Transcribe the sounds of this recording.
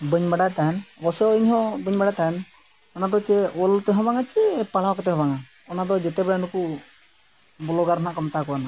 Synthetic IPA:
bəɲbaɖat̪anbɔsɔɔiɲɦɔ̃bəɲbaɽat̪an | ɔnad̪ɔt͡ʃɛɔlt̪ɛɦɔ̃baŋat͡ʃɛpaɽ̤akɔt̪ɛɦɔ̃baŋa | ɔnad̪ɔd͡ʒɛt̪ɛbɛɽanuku | bɔlɔɡaɾanaʔkɔmt̪akɔwana

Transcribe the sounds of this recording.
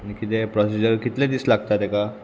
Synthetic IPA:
añikit̪epɾɔsid͡ʑəɾkit̪led̪islaɡt̪at̪ɛka

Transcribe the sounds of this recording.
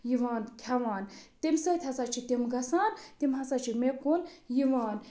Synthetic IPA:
jiʋaːnkʲʰɐʋaːnt̪imsɐt̪ʰʲhɐsaːt͡ʃʰit̪imɡɐsaːnt̪imɦɐsaːt͡ʃʰimekunjiʋaːn

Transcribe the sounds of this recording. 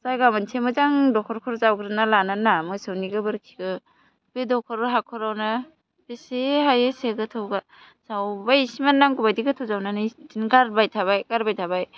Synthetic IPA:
zajɡamantʰemɯzaŋdɔkʰɔɾkʰɔɾzawɡɾɯnalananamɔjsawniɡɯbɯɾkʰi̥ɡɯ | bedɔkʰɔɾɦakʰɔɾawna | beseɦajeseɡɯtʰɯwɡa | sawbajsimanːaŋɡubajdiɡɯtʰɔwzawnanɯjdinɡaɾbajtʰaβajkaɾbajtʰabaj

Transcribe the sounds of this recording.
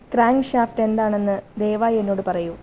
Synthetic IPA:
kraːŋɡʂaːfʈe̞nd̪aːɳe̞nːɨd̪e̞ːʋaːje̞nːo̞ːɽɨpɐrɐju

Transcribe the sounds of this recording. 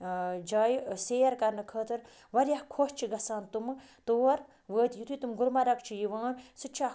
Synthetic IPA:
d͡ʒaːjseːɐɾkɐɾnɨkʰəːt̪ɨɾ | ʋɐɾjahkʰoʃt͡ʃʰiɡɐsaːnt̪umt̪oːɾ | ʋəːt̪jut̪ʰut̪umɡuɾmɐɾɐkt͡ʃʰijiʋãːnsɨt͡ʃʰa

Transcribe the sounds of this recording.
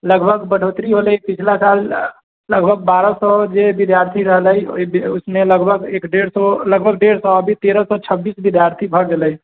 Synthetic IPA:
ləɡbʱəɡbəɽ̤ot̪ɾiɦoləipit͡ʃʰlasalː | əɡbʱəɡ̚baɾəsɔd͡ʒebid̪jaɾt̪ʰiɾəɦələjo̰ibusmeləɡbʱəɡekɖeɽsɔləɡbʱəɡ̚ɖeɾsɔəbʱit̪eɾəsɔt͡ʃʰəbːisbid̪ʱjaɾt̪ʰibʱəɡeləi

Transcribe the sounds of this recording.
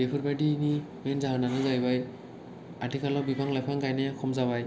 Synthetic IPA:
bepʰɯɹbadiːnimenzaɦananɯzajbaj | atikʰalɔbibʱaŋlajpʰaŋɡajnajakʰɔmzabaj

